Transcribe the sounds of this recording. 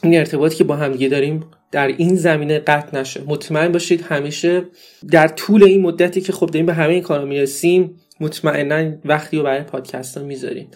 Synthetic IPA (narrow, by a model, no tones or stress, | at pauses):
ine̞ɾt̪ʰe̞bɒːt̪ʰiːcʰebɒːɦæmd̪iːɟe̞d̪ɒːɾiːm | d̪̥æɾiːnzæmiːne̞ɢæt̪ʰnæʃemo̞t̪ʰmæe̞nbɒːʃiːd̪hæmiːʃe̞ | d̪æɾt̪ʰuːle̞inmod̪ːæt̪ʰiːcʰe̞xo̞b̚d̪ɒːɾiːmbeɦæme̞jiːnkʰɒːɾomiːɾesiːmː | ot̪ʰmæʔe̞nːænvæxt̪ʰijobæɾɒjpʰɒːd̪̥cʰæ̰st̪ɒmizɒ̰ɾḭːn